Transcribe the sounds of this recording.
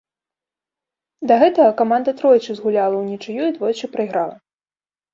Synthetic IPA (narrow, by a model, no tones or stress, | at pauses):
d̪ɐɣɛt̪ɐɣɐkamand̪ɐt̪ɾɔjt͡ʂɨzɣulʲalˠɐwnʲit͡ʂɨjuid̪vɔjt͡ʂɨpɾɐjɣɾalˠɐ̰